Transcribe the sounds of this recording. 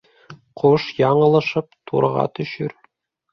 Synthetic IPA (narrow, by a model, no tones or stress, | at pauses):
qʰoʃjɑɴɤ̆lˠɤ̆ʃɤp̚t̪ʰṵɾʁɑ̰t̪ɵ̆ɕɵɾ